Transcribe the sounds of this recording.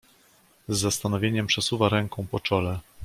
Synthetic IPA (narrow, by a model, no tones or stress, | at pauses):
zːast̪anɔvʲjeɲɛmpʂɛsuvaɾɛŋkɔ̃w̃pɔt͡ʂɔlɛ